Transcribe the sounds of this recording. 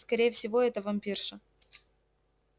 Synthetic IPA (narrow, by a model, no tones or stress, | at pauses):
skɐɾʲejəfsʲɪvoɛt̪əvɐmʲpʲirʂə